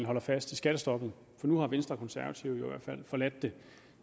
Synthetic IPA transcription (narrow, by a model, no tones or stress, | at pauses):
n̩ɦɒ̽l̰ɐfæsd̥ʰisɡ̥æɾ̥əsd̥ɒ̽ɡ̥n̩ | fɒ̽nuhɑ̈ʋensd̥ʁɐkʰɒ̽nsæɐʋæt͡sʰiʊjoɪiʋæ̰ɐ̰dfæl̰fɒ̽læd̥ːe̝